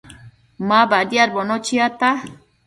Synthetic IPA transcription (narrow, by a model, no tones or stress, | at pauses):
mabadjaɾbonot͡ʃiat̪a